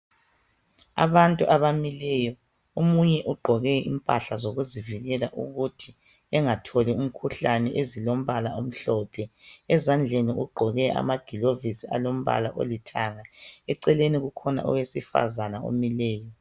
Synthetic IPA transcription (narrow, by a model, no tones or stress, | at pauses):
a̰βantʼuʔaβamilɛjɔ | omuɲɛʔuɡ͡ǃʱɔɣɛḭmpʼaɬazoɣuziviɣɛlaʔṵɣutʰi | ɛŋatʰolium̩kʰuɬanɛʔezilom̩βalaom̩ɬɔːpʰɛɛzand͡ɮʱeniʔuɡ͡ǃʱɔɣɛʔa̰maɡ̥ʱilovisiʔa̰lom̩βa̰laʔo̰litʰaŋaɛǀɛleniɣukʰɔna̰ʔɔ̰wesifa̰zanao̰milɛːjɔ